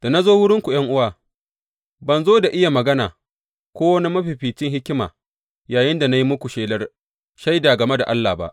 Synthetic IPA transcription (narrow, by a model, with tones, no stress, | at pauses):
d̥a˨na˦zoː˦wʊ˦ɽɪ˦ŋkʷu˨j̰ɐ˦ŋʔʊ˦waː˨ | bɐ˨nzoː˦da˨ʔɪ˦ja˨mɐ˨ɡɐ˦naː˨ | kʷoː˦wɐ˦ni˦mɐ˦ɸi˨ɸiː˨t͡ʃɪ˦ŋhɪ˦kʲɪ˦ma̰ː˨ | jaː˨jɪ˦nda˨na˦ji˦mʊ˦kʷu˨ʃeː˦lɐ˦r | ʃa˦jda˨ɡɐ˨me˦da̰˨ʔa˦lːaː˨ba̰˦ʔ